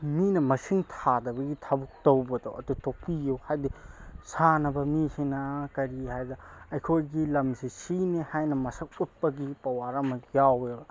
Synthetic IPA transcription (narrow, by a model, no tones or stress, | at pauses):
minɐmɐsiŋtʰadɐbɐɡitʰabuk̚towbɐdoʔɐ̰dutok̚pijuhajdisanɐbɐmisinɐkɐɾihajdɐɐjkʰojɡilɐmsisinehajnɐmɐsɐk̚ut̚pɐɡipɐwaɾɐmɐjawe